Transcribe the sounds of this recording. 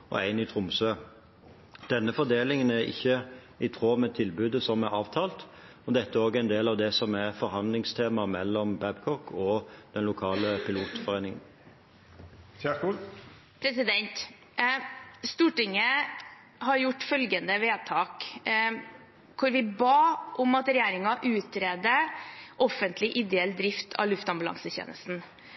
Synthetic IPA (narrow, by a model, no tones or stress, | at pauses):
ɔ̰æɪnit̪ʰʁʊmsøː | d̪̥ɛnːəfɔd̪eːlɪŋənæɾɪ̰çːə | ɪt̪ʰʁoːmɛt̪ʰɪlbʉːd̪əsɔmæɑːʋt̪ʰɑːlt̪ | ɔd̪ɛt̪ːəæɾoːɡæɪnd̪eːlɑʋd̪ɛsɔmæʁfɔɾhɑnd̪lɪŋst̪ʰeːmɑmɛlːɔmbæbkʰɔkʰɔd̪̥ɛnlʊkʰɑːləpʰɪluːt̪fɔʁeɪnɪŋən | pʰɾɛsɪd̪ɛnt̪ | st̪uːʈɪŋːə | hɑɾjʊʈːfœlɡənd̪əʋeːt̪ʰɑːk | kʰʊɾʋɪbɑːʔʊmɑt̪ɾɛjæːɾɪŋɑʔʉːt̪ɾeːd̪əʔɔfənt̪lɪʔɪd̪ɛɛlːd̪ɾɪft̪ʰɑ̰lʉft̪ɑmbʉlɑ̰ŋsəçḛːnə̰st̪n̩